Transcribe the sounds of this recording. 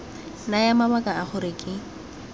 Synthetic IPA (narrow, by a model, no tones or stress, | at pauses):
najamabakʼaaχʊɾɪkʼɪ